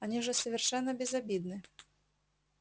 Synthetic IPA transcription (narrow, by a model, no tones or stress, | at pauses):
anʲiʐɛsəvʲɪrʂɛnːəbʲɪzabʲid̪nɨ